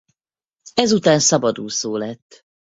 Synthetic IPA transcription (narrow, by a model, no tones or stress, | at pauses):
ɛzut̪aːnsɒbɒd̪uːsoːlɛt̪ː